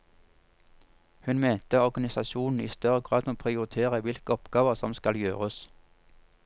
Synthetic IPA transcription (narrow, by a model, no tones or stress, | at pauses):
hʉnment̪əɔʁɡɑnɪsɑʃuːnn̩ḭːst̪œʁəɡʁɑːd̪oːpʰʁɪʊʁɪt̪ʰeːʁəʋɪlkəɔpɡɑːʋəʁsɔmskɑljø̰ːʁəs